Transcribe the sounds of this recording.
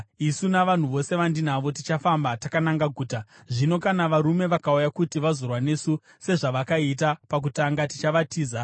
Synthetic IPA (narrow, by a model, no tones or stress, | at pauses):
isunaʋan̤uʋo̞se̞ʋandin̤aʋo̞tit͡ʃafambatakanaŋɡaɡʱuːta | ʐino̞kanaʋaɾume̞ʋakaujakutiʋazo̞rwane̞su | se̞ʐaʋakait̬apak̬utaŋɡati̥t͡ʃaʋatiːza